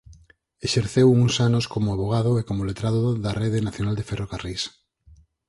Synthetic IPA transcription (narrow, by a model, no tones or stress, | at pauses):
eʃeɾθewuŋsanoskomoaβoɣ̞aðoekomolet̪ɾaðoðareðenaθjonald̪eferokaris